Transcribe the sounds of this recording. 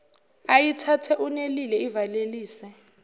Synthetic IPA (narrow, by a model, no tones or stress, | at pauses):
ajitʰatʰɛʔunelilɛivaleliːsɛ